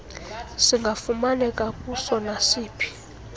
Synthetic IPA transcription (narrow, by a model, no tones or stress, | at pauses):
siŋɡʱafumalɛkʼakʼusɔnasiːpʰi̥